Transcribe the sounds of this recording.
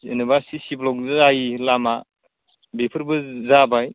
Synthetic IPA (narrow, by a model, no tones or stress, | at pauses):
enɯbasisiblɔk̚zɯajilama | bepʰɯɾbɯzabaj